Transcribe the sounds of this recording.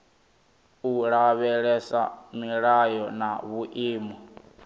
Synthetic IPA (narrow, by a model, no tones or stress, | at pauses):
uɺaβɛɺɛsa̰miɺajɔnaβuʔiːmɔ